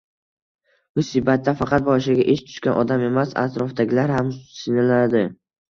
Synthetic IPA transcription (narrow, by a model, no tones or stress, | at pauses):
ʊsɪbat̪ʰːafɑqʰɑt̪̚bɒʃɪɡʲaʔeʃt̪ʰʊ̥ʃkʲanʔɒd̪ame̞masa̰t̪ɾɒfd̪aɡʲɪlaɾɦamsɪnalad̪ɪ